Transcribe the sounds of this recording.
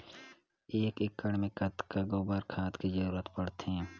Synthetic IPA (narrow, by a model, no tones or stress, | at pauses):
eːkɪkːəɽmẽkət̪kaɡoːbaːɾkʰaːt̪kizəɾuːɾət̪pəɽt̪ɛ̃